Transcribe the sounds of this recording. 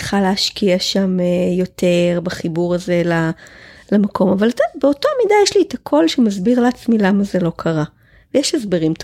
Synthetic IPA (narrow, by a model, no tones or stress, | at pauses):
χaleaʃkiaʃamjo̞tʰe̞ʁbaχibuʁaze̞lalamakʰo̞mavaltabeo̞toamidajeʃlietakʰo̞lʃemazbiʁleːt͡smilamaze̞lo̞kʰaʁa | vejeʃezbeʁimt